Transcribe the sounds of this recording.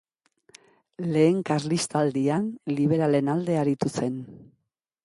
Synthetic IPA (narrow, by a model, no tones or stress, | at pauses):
le̞ːŋkaɾlist̪ald̪ianliβ̞e̞ɾale̞nald̪e̞aɾit̪use̞n